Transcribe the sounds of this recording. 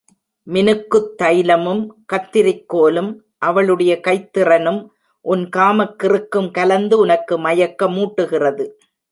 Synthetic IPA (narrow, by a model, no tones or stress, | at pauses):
mɪnɯkːɯt̪ːɐjlɐmɯmkɐt̪ːɪɾɪkːoːlɯm | ʔɐʋɐɭɯɽɐjɐkɐɪt̪ːɪrɐnɯm | ʔʊnkaːmɐkːɪrɯkːɯmkɐlɐnd̪ɯʊnɐkːɯmɐjɐkːɐmuːʈːɯɣɪrɐðɯ